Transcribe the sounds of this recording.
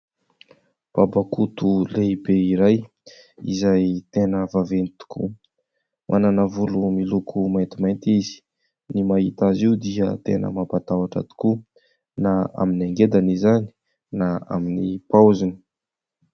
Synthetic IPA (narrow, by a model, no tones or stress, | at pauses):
b̥abakut̪uleibeiɾaj | ḭzajt̪enəvavenit̪u̥kṵ | mʔananəvulumilukʰumajnt̪imajnt̪izi̥ | nimaɦit̪aziud̪iət̪enə̰mapat̪awaʈ͡ʂa̰t̪u̥ku | naa̰minaŋɡed̪anizani̥ | naa̰minipawzini̥